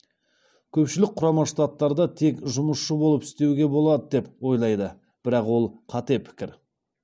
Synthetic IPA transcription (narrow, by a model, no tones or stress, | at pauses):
kʲʰɵpʃɪlɪk̚qʰʊɾɑmɑʃt̪ɑt̪ːɑɾd̪ɑt̪ʰe̞kʒʊməsʃəbolˠəpɪ̥st̪e̞wɡʲe̞bo̞lˠɑd̪əd̪e̞pwo̞jlˠɑjd̪ə | b̥ɪɾɑqwo̞lˠqʰɑt̪epʰɪ̥kʲɪɾ